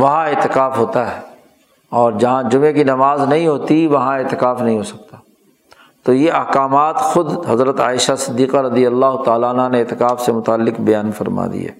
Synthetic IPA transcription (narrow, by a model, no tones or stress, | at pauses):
ʋɐɦãeːt̪ɪkaːfɦoːt̪aɦɛː | ɔːɾd͡ʒɐɦãd͡ʒʊmekinɐmaːznɐɦĩɦoːt̪iʋɐɦãeːt̪ɪkaːfnɐɦĩɦoːsɐ̥k̚t̪ḁː | t̪oːjeɐhkaːmaːt̪xʊd̪ɦɐzɾət̪a̰ːɪʃasɪd̪ːiːqaɾɐd̪ijɐlːaːɦʊt̪aːlaənɦaneeːt̪ɪkaːfsemʊt̪aːlːɪqbɐjaːnfɐɾma̰ːd̪ḭɦɛ̰ː